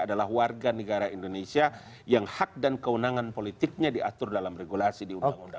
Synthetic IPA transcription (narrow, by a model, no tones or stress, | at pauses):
adalahwarɡanəɡaɾaindonesia | jaŋhak̚dankəunaŋanpolit̪ɪk̚ɲadiat̪ʊrdalamreɡulasidiundaŋunda